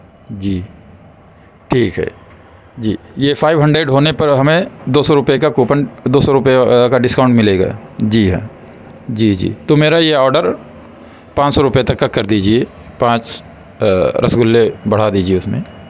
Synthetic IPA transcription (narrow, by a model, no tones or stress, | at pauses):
d͡ʒiː | ʈʰiːkɦɛ̰ː | d͡ʒiːjefʰaːɪʋɦɐ̃ɳɖɾeɖɦoːnepɐɾɦɐmẽd̪oːsɔɾʊpjekakuːpənd̪oːsɔɾʊpjekaɖɪskaʊ̃ɳʈmɪleːɡa̰ː | d͡ʒiːɦɛ̰ː | d͡ʒiːd͡ʒḭːt̪omeːɾajeɔːɾɖəɾ | pãːt͡ʃsɔɾʊpjet̪ɐkːakːɐɾd̪iːd͡ʒieː | pãːt͡ʃ | ɾʔɐ̰sɡʊlːebɐɽ̤ad̪iːd͡ʒieʊsmḛ̃ː